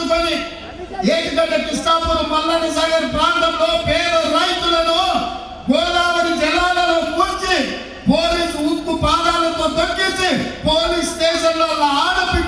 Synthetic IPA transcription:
ukoni | eːʈik̪ɐɖɐt̪isʈaːpunɐpɐlːɐnisaːɡɐɾpɾaːnt̪ɐmlo̞ːpeːɾɐɾɐjt̪ulɐnoː | ɡɔːɾaːʋɐnid͡ʒɛlːaːlɐloːkut͡ʃi | poːliːsuut̪ːupɾaːd̪aːlɐt̪o̞ːt̪ɐkːint͡ʃipoːliːsd̪ɛːʃɐmlo̞ːnaaːɽɐpi

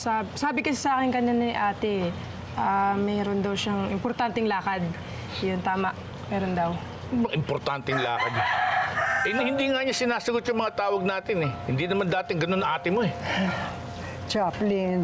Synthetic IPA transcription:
sasaːbɪkɐsɪsɐʔaːkɪnkɐnɐnɐʔaːt̪ɛ | ʔaːmɛːɾond̪ɐwʃaŋʔɪmpoɾt̪ant̪ɛŋlaːkɐd̪̚ | jʊnt̪aːmɐʔ | mɛːɾond̪ɐw | bɐŋʔɪmpoɾt̪ant̪ɛŋla̰ːkɐd̪̚ | ʔɛnhɪnd̪iŋaɲasɪnaːsɐɡot̪̚jʊŋmɐŋat̪aːwɐɡ̚naːt̪ɪnɛhɪnd̪inɐmand̪aːt̪ɪŋɡɐnonɐŋʔaːt̪ɪmoɛ | t͡ʃaplin

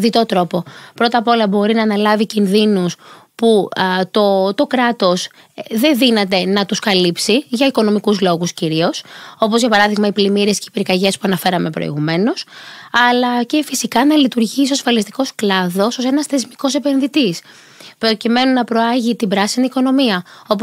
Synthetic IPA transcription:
ðit̪o̞t̪ɾo̞po̞pɾo̞t̪ɐpo̞lɐbo̞ɾinɐːnɐlɐvicinðinus | put̪ot̪o̞kɾɐt̪o̞s | ðe̞nðinɐt̪e̞nɐt̪uskɐlipsiʝɐiko̞no̞mikuzlo̞ɣusciɾio̞so̞po̞zʝɐpɐɾɐðiɣmɐiplimiɾie̞sceipɾikɐʝe̞spuɐnɐfe̞ɾɐme̞pɾo̰ḭɣume̞no̞sɐlɐce̞fisikɐnɐlit̪uɾʝisosfɐlist̪i̥ko̞sklɐðo̞so̞se̞nɐsθe̞zmiko̞se̞pe̞nðit̪is | pɾo̞cime̞nunɐpɾo̞ɐʝit̪ibɾɐsiniːko̞no̞miɐo̞p

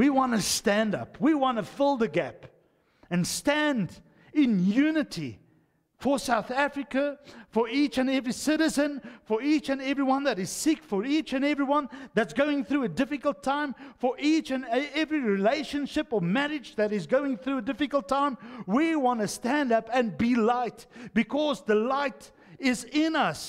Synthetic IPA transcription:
wiwɑ̃nɨstæ̃ndʌ̰pʰwiwɑ̃ntɨfɪlˠðɨɡæp | ɨ̃nstæ̃nd | ɪ̃njʉnɨɾḭ | fə˞saʊθæfɹɨkəfə˞it͡ʃɨ̃nɛvɹisɪɾɨzɨ̃nfə˞it͡ʃɨ̃nɛvɹiwʌ̃nðɨɾɨz̥sɪkfə˞it͡ʃɨ̃nɛvɹiwʌ̃nðætsɡ̥oʊɪ̃ŋθɹuɨdɪfɨkəl̩ˠtʰãɪ̃mfə˞ʔit͡ʃɨ̃nɛvɹiɹileɪʃɨ̃nʃɪpəmæɹɪd͡ʒðɨɾɨzɡoʊɪ̃ŋθɹuədɪfɨkəl̩ˠtʰãɪ̃mwiwɑ̃ntɨstæ̃ndʌpɨ̃nbilaɪtb̥ɨkʰɔzðəlaɪt | ɪzɪ̃nʌs

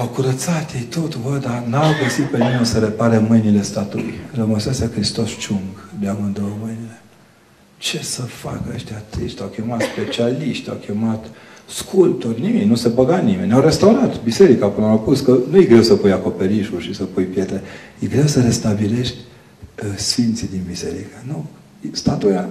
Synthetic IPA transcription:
awkuɾət̪sat̪jejt̪ot̪uvəd̪anawɡəsit̪̚pe̞nimenʲsəɾe̞paɾemɨjnile̞st̪at̪uṵjrəməsasekɾist̪o̞st͡ʃuŋɡd̪eamɨnd̪oəmɨjnile | t͡ʃe̞səfa̰kəəʃt̪eat̪ɨʃt̪ʲawkʲemat̪spe̞t͡ʃialiʃt̪ʲa̰wkʲe̞mat̪ | skʰult̪orʲniminʲnusebəɡat̪nime̞nʲawɾe̞st̪awɾat̪bise̞ɾikapɨnəawpuskənujeɡɾe̞wsəpujako̞pe̞ɾiʃuʃisəpujpje̞t̪ɾejeɡɾe̞wsəɾe̞st̪abile̞ʃt̪ʲ | sfint̪sid̪inbise̞̰ɾḭkanu | st̪at̪uja

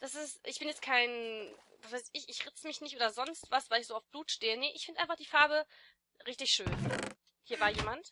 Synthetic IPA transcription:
d̥asɪstʔɪçb̥ɪnjɛt͡stkʰaɪnvasv̥aɪsɪçɪçʁɪt͡səmɪçnɪçtʔoːdɐzɔnstv̥asv̥aɪlɪçsz̥oːaʊfb̥luːtʃteːənəʔɪ̰çfɪndəʔaɪnfaχd̥iːfaɐbə | ʁɪçtɪçʃøːn | hiːɐvaːɐjeːmant

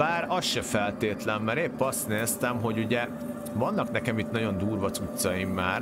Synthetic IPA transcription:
aːɾɒsʃɛfɛlt̪eːt̪lɛmːɛɾeːpːɒst̪neːst̪ɛmɦo̞ɟuɟɛ | vɒnːɒknɛkɛmit̪nɒɟo̞nd̪uːrʋɒt̪sut̪sɒjimːaːr

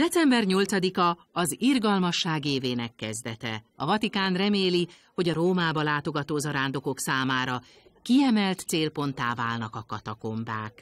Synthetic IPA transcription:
d̥̪ɛt̪sɛmbɛrɲo̞lt̪sɒd̪ikɒ | ɒzirɡɒlmɒʃːaːɡeːveːnɛkːɛzd̪ɛt̪ɛ̰ɒvɒt̪ikaːnrɛmeːli | ho̞ɟɒɾoːmaːbɒlaːt̪o̞ɡɒt̪oːzɒɾaːnd̪o̞ko̞ksaːmaːɾɒ | kiɛmɛlt̪seːlpo̞nt̪aːvaːlnɒkɒkɒt̪ɒko̞mba̰ːk

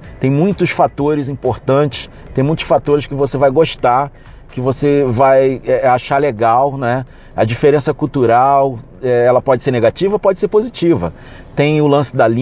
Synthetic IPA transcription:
t̪ẽj̃mũj̃t̪ʊsfat̪oɾɪzĩpoɾt̪ɐ̃t͡ʃɪ̥sẽj̃mũj̃t̪ʊ̥sfat̪oɾɪskɪvosevajɡoʃt̪a | kɪvosevajɛaʃaleɡawnɛ | ɐ̰d͡ʒifeɾẽsɐkut̪uɾaw | ɛɛlɐpɔd͡ʒɪseɾneɡat͡ʃivɐpɔd͡ʒɪseɾpozit͡ʃivɐ | t̪ẽj̃ʊlɐ̃sɪd̪ɐlĩ

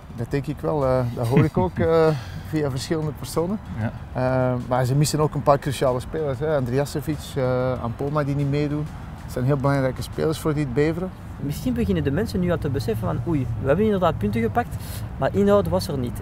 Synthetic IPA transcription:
dɑt̚dɛŋkɪkʋɛlˠədɑtɦoːɾɪkoːkəv̥iːavərsxɪləndəpərsoːnənəmaːrzəmɪsənoːkənpaːrkrysiaːləspeːlərsɦɛɑndreasəvisəa̰mpolˠmadinimeːdun | tsɛjnɦeːlˠbəlɑŋɾɛjkəspḛːlərsfoːrdiəd̚beːvəɾə | mɪsxinbəɣɪnəndəmɛnsənːyːɑlˠtəbəsɛfənvɑnujʋəɦɛbənɪndərdaːt̚pʏntəɣəpak̚tmaːrʔɪnɦɑwdəʋɑsərnit

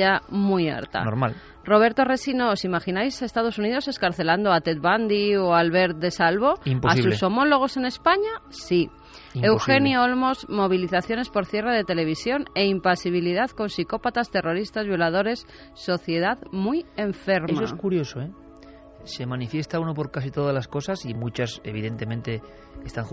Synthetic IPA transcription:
amuja̰ɾt̪a̰noɾmma̰l | ro̞β̞eɾt̪o̞re̞sinoːsimaxinajsaest̪aðo̞suniðo̞se̞skaɾθe̞land̪oat̪et̪̚βand̪ioalβe̞ɾt̪̚d̪e̞salβo̞impoaisusso̞mo̞lo̞ɣ̞o̞se̞ne̞spaɲasi | ewxe̞njoolmo̞zmo̞β̞iliθaθjo̞ne̞spo̞ɾθje̞reðe̞t̪e̞le̞β̞isjo̞ne̞impasiβ̞iliðaðko̞nsiko̞pat̪ast̪e̞ro̞ɾist̪azβjo̞lað̞o̞ɾe̞sː | o̞θje̞ð̞aðmuje̞ɱfe̞ɾemmasoeskuɾjo̞soe | se̞mãnifje̞st̪auno̞po̞ɾkas̬it̪o̞ðazlasko̞sasimut͡ʃase̞̰βiðe̞nt̪e̞mẽnt̪e̞ | kest̪aŋ

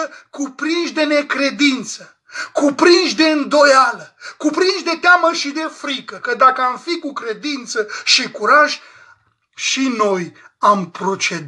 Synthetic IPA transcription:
əkupɾinʃd̪e̞ne̞kɾe̞d̪int̪sə | kupɾinʃd̪e̞ɨnd̪o̞jaləkupɾinʃd̪e̞t̪eaməʃid̪e̞fɾikəkəd̪akəamfikukɾe̞d̪int̪səʃikuɾaʒ | ʃino̞jampɾo̞t͡ʃe̞d̪

